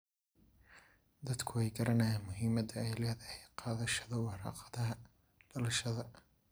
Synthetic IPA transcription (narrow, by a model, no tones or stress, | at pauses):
d̪ɐd̪kʰʊwɛjɡɐɾɐnɐjɛnmʊɦiːmɐd̪ɐɛjlɛːhðɐhɛjqɑːðɐʃɐðɐwɑɾɑ̰ːqɑ̥ðɐɦɐ | ɖɐlɐʃɐðɐ